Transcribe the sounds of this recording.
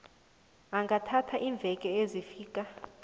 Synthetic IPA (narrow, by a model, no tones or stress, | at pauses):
aŋɡʱatʰatʰaʔiɱb̪vʱɛkʼɛezifiːkʼa